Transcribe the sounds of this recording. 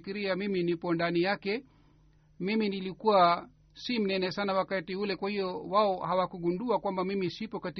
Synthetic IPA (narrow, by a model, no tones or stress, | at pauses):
kiɾiamiminipɔndanijakɛ | miminilikuwa | sim̩nɛnɛsanawakatiulɛkwahiɔwaɔhawakuɡunduakwambamimisipɔkat